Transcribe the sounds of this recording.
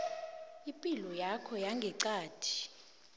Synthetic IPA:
ipʼilɔjakʰɔjaŋɡʱɛǀaːtʰi̥

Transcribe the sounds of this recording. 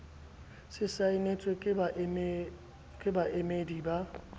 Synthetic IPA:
sɪsaɪnet͡sʼe | kʼɪbaʔemediba

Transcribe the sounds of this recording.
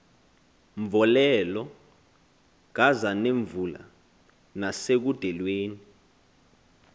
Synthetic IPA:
ɱvɔlɛlɔ | k̬azaneɱvula̰ | nasek̬ud̥ʱɛlweːni

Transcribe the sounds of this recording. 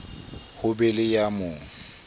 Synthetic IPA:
hʊbɛlɪjamʊŋ̩

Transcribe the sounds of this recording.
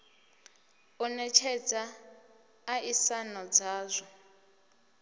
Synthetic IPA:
unɛt͡ʃʰɛd͡zaː | ʔisanɔd͡zaːzʷɔ

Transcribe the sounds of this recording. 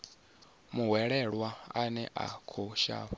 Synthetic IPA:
muɦwɛɺɛɺwaanɛʔa̰kʰɔʃa̰ːβɔ

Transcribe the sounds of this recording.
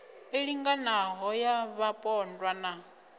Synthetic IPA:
eɺiŋɡanaɦɔjaβapʼɔndwana

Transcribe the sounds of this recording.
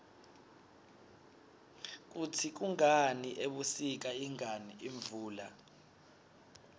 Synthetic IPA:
k̬ʼutʰik̬uŋaniʔeɓusik̬aiŋaniiɱvuːla̰

